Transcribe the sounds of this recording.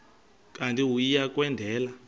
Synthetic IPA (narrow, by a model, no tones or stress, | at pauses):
kʼantʼiɦujijak̬ʼwɛndʱɛːla